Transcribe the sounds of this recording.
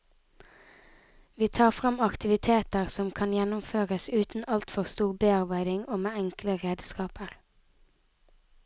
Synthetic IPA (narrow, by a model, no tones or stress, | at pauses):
ʋiːt̪ʰɑːʁfʁɑmɑkt̪ɪʋɪt̪ʰeːt̪əʁsɔmkʰɑnjɛnʊmføːʁəsʉːt̪n̩ɑlt̪fɔʁst̪uːʁbeːɑʁbæɪd̪ɪŋoːmeːɛŋkləʁeːd̪skɑːpəʁ